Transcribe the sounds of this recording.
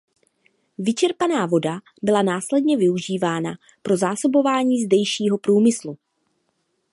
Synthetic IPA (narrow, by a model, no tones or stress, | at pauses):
vɪt͡ʃɛɾpanaːvo̞da | bɪlanaːslɛdɲɛvɪuʒiːvaːna | pɾo̞zaːso̞bo̞vaːɲiːzdɛjʃiːɦo̞pɾuːmɪslu